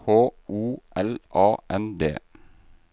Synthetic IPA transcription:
oːʔuːʔɛlʔɑːʔɛnd̪ḛː

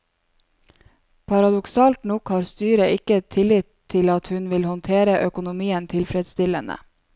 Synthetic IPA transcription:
pʰɑɾɑd̪ʊksɑːlt̪nɔkhɑːɾst̪yːɾəʔɪkət̪ʰɪlɪt̪ʰːɪlɑt̪hʉnʋɪlhɔnt̪ʰeːɾəʔœkʊnʊmiːənt̪ʰɪlfɾɛd̪st̪ɪlənə̰

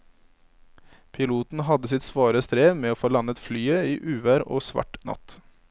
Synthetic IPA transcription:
pʰɪluːt̪n̩hɑd̪əsɪt̪sʋɑːɾəst̪ɾeːmeːoːfoːlɑnət̪flyːəiːʔʉːʋæːɾo̰ːsʋɑ̰ʈnɑ̰t̪

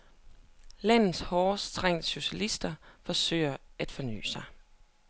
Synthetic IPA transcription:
læn̰ð̩ˠshɒːst͡sʰʁɛŋ̰dɕo̝ɕælisd̥ɐfɒ̽sø̰ːɪɐæd̥fɒ̽ny̰ːsɑ̈ɪ

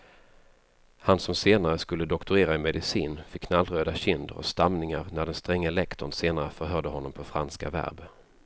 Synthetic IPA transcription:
hansɔmseːnaɾəskɵlːəd̪ɔkt̪ʊɾeːɾaɪmɛd̪ɪsiːnfɪkʰːnalːɾøːd̪aɕɪnd̪ə̰ɾɔ̰st̪amnɪŋa̰ɾnæɖɛnst̪ɾɛŋːəɛlɛkt̪ʊ̰nseːnaɾəfœɾɦœɖəhɔnːɔmpʰɔfɾa̰nska̰væ̰ɾb

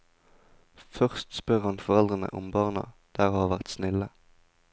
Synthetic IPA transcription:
fœʁst̪spœʁhɑnfɔʁɛld̪ʁənə̰ʔʊmbɑːʁnɑ̰d̪̥æːʁhɑːʋæʁt̪snɪlə

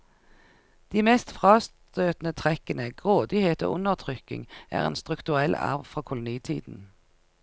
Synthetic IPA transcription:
d̪̥iːmeːst̪fʁɑːst̪øːt̪n̩ət̪ʰʁɛkənəɡ̥ʁoːd̪ɪheːt̪o̰ːʔʊnəʁt̪ʰʁʏkɪ̰ŋʔæ̰ːʁḛːnst̪ʁʉkt̪ʉʁɛlʔæ̰ʁʋfʁoːkʰʊlʊniːt̪ʰiːd̪n̩

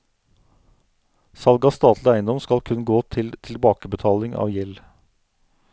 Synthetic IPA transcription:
sɑlɡɑst̪ɑːt̪lɪæɪənd̪ɔmskɑlkʰʉnɡoːt̪ʰɪlt̪ʰɪlbɑːkəbət̪ʰɑːlɪŋʔɑ̰ːʋjɛl

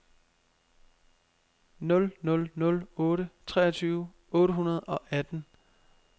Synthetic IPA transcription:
nɔ̽lnɔ̽lnɔ̽lɔ̽ːɾət͡sʰʁɛ̰ːɐt͡sʰyːʊ | ɔ̽ːɾəɦunɐð̞̩ˠɒ̽ʔæd̥n̩

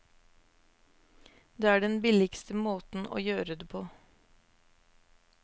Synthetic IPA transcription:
d̪eːæːɖɛnbɪlɪkst̪əmoːt̪n̩o̰ːjøːɾəd̪eːpʰoː

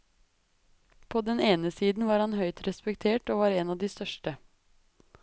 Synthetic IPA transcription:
pʰoːd̪ɛneːnəsiːd̪n̩ʋɑːɾhɑnɦœʏt̪ɾɛspɛkt̪ʰeːʈoːʋɑːɾeːnɑʋd̪ist̪œʂʈə

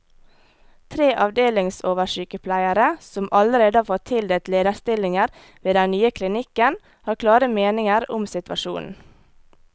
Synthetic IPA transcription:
t̪ʰɾeːʔɑʋd̪eːlɪŋsoːʋəʃyːkəpʰlæɪəɾəsɔmɑləɾeːd̪əɑfɔtt̪ʰɪld̪eːt̪leːd̪əst̪ɪlɪŋəɾ | ʋeːd̪ɛnnyːəkʰlɪnɪkən | hɑːkʰlɑːɾəmeːnɪŋəɾʊmsɪt̪ʋɑ̰ʃṵːnn̩

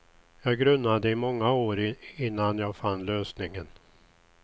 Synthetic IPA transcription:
jɑːɡɾɵnːad̪əɪmɔŋːaoːɾɪnːanjaːɡfanːløːsnɪŋən

